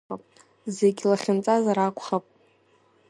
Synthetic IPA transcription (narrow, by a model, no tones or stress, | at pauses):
apʼ | zeɡʲlaχʲɪnt͡sʼazaɾakʷʰʼχapʼ